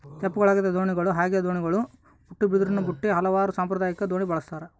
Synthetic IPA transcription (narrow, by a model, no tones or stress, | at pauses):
t͡ʃɐpːuɡɐɭaːɡid̪ɐd̪o̞ːɳiɡɐɭuɦaːɡeːd̪oːɳiɡɐɭu | buʈːibid̪uɾunɐbuʈːiɦɐlɐʋaːɾusaːmpɾɐd̪aːjɐkːɐd̪oːɳibɐɭɐst̪aːɾe